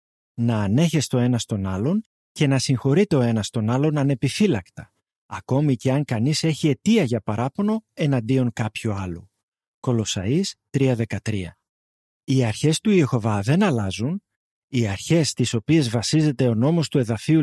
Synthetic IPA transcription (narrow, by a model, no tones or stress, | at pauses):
nɐːne̞çe̞st̪o̞e̞nɐst̪o̞nɐlo̞n | ce̞nɐsiŋxo̞ɾit̪e̞o̞e̞nɐst̪o̞nɐlo̞nɐne̞pifilɐkt̪ɐ̥ | ɐko̞mice̞ɐŋkɐnise̞çie̞t̪iɐʝɐpɐɾɐpo̞no̞e̞nɐnd̪io̞ŋkɐpçoɐlo̞̰ | ko̞lo̞sɐ̰ist̪ɾiɐðe̞kɐt̪ɾiɐ̰ | iɐɾçe̞st̪uexo̞vɐðe̞nɐlɐzun | iɐɾçe̞st̪iso̞pie̞zvɐsize̞t̪e̞o̞no̞mo̞st̪ue̞ðɐfiu